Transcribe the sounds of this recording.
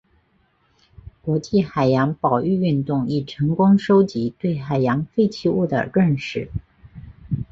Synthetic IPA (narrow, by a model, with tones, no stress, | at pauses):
kwɔ˧˥t͡ɕi˥˩xa˨˩ɪjɑ˧˥ŋpɑ˨˩ʊy˥˧y˥˧nt̪ʊ˥˧ŋi˥˩ʈ͡ʂʰɤ˧˥ŋkʊ˥ŋʂo˥ʊt͡ɕi˧˥t̪we˥˩ɪxa˨˩ɪjɑ˧˥ŋfe˥ɪt͡ɕʰi˥˧u˥˩d̪ə̰˩ɻə˥˧nʂɻ̩˥˩